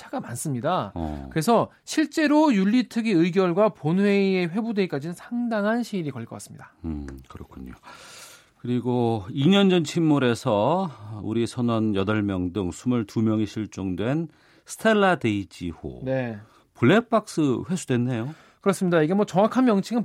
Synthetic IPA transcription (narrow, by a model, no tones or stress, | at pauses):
t͡ɕʰaɡ̥amans͈ɯmɲida̰kɯɾe̞sʰʌ | ɕʰiɭt͡ɕ͈e̞ɾojuʎːitʰɯɡiɯjɡjʌɭɡwaponwe̞ie̞ɸwe̞bude̞ik͈ad͡ʑinɯnsʰaŋdaŋɦanɕʰiːɾikʌɭk͈ʌk͈a̰s͈ɯ̥mɲḭd̥akɯɾʌkʰuɲo̰ | kɯɾiɡoiɲʌnd͡ʑʌnt͡ɕʰimːuɾe̞sʰʌṵɾisʰʌnʌnjʌdʌɭmjʌŋdɯŋsʰumɯɭtumjʌŋiɕʰiɭt͡ɕ͈oŋdwe̞n | sʰɯ̥tʰe̞lːadeid͡ʑiho̰ne̞ | puɭːe̞p͈ʰak̚s͈ɯɸwe̞sʰudwe̞nːe̞jo | kɯɾʌs͈ɯmɲidaiɡe̞mwʌt͡ɕʌŋwakʰanmjʌŋt͡ɕʰiŋɯn